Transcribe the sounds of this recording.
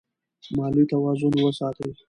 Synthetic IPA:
mɑlujt̪awɑzʊnwəsɑt̪əwi

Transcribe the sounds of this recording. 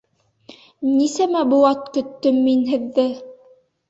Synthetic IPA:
nisæmæbuɑt̪kɵ̆t̪ːɵmːinɦɘ̆ðːɘ

